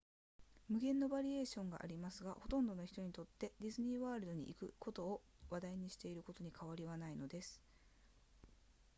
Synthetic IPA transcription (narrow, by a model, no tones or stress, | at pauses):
mɯ̟ɡẽ̞nːo̞baɾʲie̞ːɕõ̞ŋɡa̰ʔa̰ɾʲimasɨɡaho̞t̪õ̞nd̪o̞noçi̥t̪o̞ɲ̟it̪o̞t̪ːe̞dʲizɨɲ̟iːβaːɾɯd̪o̞ɲ̟ḭʔikɯ̟ko̞t̪o̞ː | βad̪aiɲ̟iɕi̥t̪e̞iɾɯ̟ko̞t̪o̞ɲ̟ikʰaβ̞aɾʲiβanaino̞d̪e̞sɨ̥